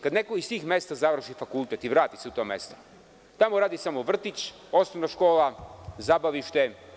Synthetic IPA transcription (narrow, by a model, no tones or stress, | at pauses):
kad̪nekoist̪iːxmest̪azaʋr̩ʃifakulˠt̪et̪iʋɾaːt̪iseut̪omest̪o̥ | t̪amoɾaːd̪isamoʋr̩t̪it͡ɕ | osnoʋnaʃkoːlazabaʋiʃt̪e